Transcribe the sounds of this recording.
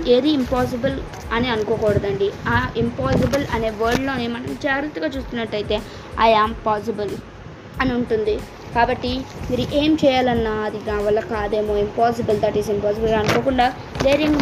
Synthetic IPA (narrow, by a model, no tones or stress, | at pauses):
eːd̪iːmpaːs̬ibɐl | ɐniɐnukoːkɔːɽɐd̪ɐɳɖiaimpaːsibɐlɐne̞ːʋɐːɾɖlo̞ːnimɐnɐmt͡ʃaːɾit̪ɐɡaːt͡ʃuːst̪unːɐʈːɐjit̪e̞ː | ɐjaːmpaːs̬ibɐl | ɐnuɳʈund̪i | kaːbɐʈːimiːɾuʔeːmt͡ʃɛːjaːlɐnːaːɐd̪iɡaːʋɐlːɐkaːd̪e̞ːmoːimpaːs̬ibɐld̪ɐʈizimpaːs̬ibɐlɐnukoːkuɳɖaː | d̪eːɾiŋ